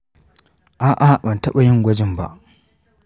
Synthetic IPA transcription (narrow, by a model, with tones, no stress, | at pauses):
ʔaː˦˨ʔa˦bɐ˨ntɐ˦ɓa˨jɪ˦ŋɡʷɐ˦d͡ʒɪ˦˨mba̰˦ʔ